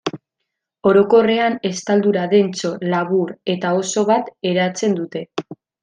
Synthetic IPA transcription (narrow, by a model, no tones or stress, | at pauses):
o̞ɾo̞ko̞re̞ane̞st̪ald̪uɾaðe̞nt͡so̞laβuɾe̞t̪ao̞so̞βat̪e̞ɾat͡se̞nd̪ut̪e̞